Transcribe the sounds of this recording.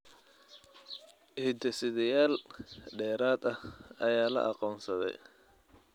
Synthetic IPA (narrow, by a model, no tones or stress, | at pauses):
ʔhɪd̪ɛsɪðɐjaːlɖɛːɾaːd̪ɐhɐjaːlɐ̰ʔɑqɔːnsɐðɛ̰j